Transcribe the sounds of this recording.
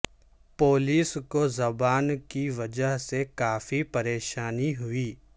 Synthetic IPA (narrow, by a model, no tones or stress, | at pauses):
poːliːskozɐbaːnkiʋɐd͡ʒəɦsekaːfipɐɾeːʃaːniɦʊiː